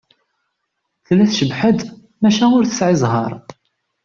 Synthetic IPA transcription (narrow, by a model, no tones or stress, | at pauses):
θlːæθʃəbħəd̪ | mæʃæʊɾθə̥sʕɪzˤɦɑ̰ɾˤ